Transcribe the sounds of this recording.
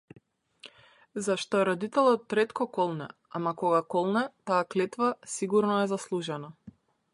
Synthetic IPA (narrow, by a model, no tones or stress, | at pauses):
zaʃt̪ɔɛɾɔd̪it̪ɛlˠɔt̪ːɾɛt̪kɔkɔlˠnɛ̰ | amakɔɡakɔlˠnɛt̪aːklɛt̪vasiɡuɾnɔɛzaslˠuʒɛna